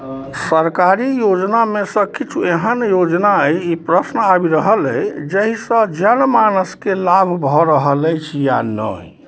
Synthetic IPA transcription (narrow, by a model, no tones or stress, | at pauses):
səɾkaɾijod͡ʒnamesə̃kit͡ʃʰueɦənjod͡ʒnaəjipɾəsnəabiɾəɦələjd͡ʒəɦisə̃d͡ʒənmanəskelabʱbʱɔɾəɦələjt͡ʃʰija̰nə̰